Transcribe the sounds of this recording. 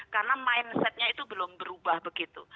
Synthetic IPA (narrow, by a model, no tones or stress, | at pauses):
karnamaɪnsɛt̪̚ɲait̪ubəlʊmbəɾubahbəɡit̪u